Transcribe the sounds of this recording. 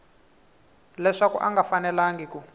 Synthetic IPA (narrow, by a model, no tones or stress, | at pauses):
lɛʂakuʔaŋɡafanɛlaŋɡiku